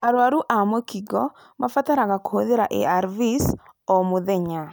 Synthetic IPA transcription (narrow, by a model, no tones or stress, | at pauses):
aɾwaɾuʔamɔkiɡɔ | mafat̪aɾaɡakhoðeɾaʔḛaɾvisɔmuðɛɲa